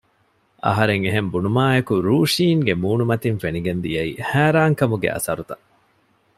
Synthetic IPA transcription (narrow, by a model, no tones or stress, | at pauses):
ʔɐ̰ɦɐɾeŋeɦembunumaːekuɾuːʂiːŋɡemuːnumɐt̪iŋfeniɡend̪ijɐihæːɾaːŋkɐmuɡḛʔɐ̰sɐɾut̪ɐ